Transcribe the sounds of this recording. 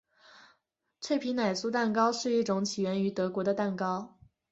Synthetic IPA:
t͡sʰe˥˩ɪpʰi˧˥na˨˩ɪsu˥˧t̪a˥˩nkɑ˥ʊʂɻ̩˥˧i˥˩ʈ͡ʂʊ˧˥ŋt͡ɕʰi˨˩ɥɛ˧˥ny˧˥t̪ɤ˧˥kwɔ˧˥d̪ə˧t̪a˥˩nkɑ˥ʊ

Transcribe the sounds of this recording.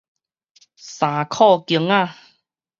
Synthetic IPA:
sa˨˩kʰɔ˥˧ki˨˧˦əŋa˧˨

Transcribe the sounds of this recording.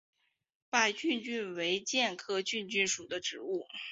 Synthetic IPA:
pa˥˧ɪt͡ɕy˥˧nt͡ɕy˥˩nwe˧˥ɪt͡ɕjɛ˥˧nkʰɤ˥˧t͡ɕy˥˧nt͡ɕy˥˩nʂu˨˩d̪ə˦ʈ͡ʂɻ̩˧˥u˥˩

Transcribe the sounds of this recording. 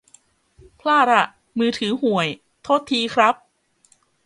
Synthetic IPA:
pʰlaː˥˩ɾa˧˩ | mɯː˧t̪ʰɯː˩˦ɦu˨˩əj | t̪ʰoː˦˥˩t̪ʰːiː˧kʰɾa˦˥p̚

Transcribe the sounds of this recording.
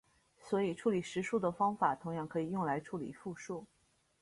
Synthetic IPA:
swɔ˧˥i˨˩ʈ͡ʂʰu˥˩li˨˩ʂɻ̩˧˥ʂu˥˩d̪ə˩fɑ˥ŋfa˨˩˦t̪ʰʊ˧˥ŋjɑ˥˩ŋkʰɤ˧˥i˨˩jʊ˥˩ŋla˧˥ɪʈ͡ʂʰu˥˩lḭ˨˩˦fu˥˧ʂu˥˩

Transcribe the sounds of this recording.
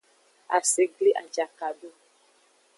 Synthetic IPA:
a̰˨se˨ɡli˦ʔa̰˨d͡ʒa˨ka˨do˦

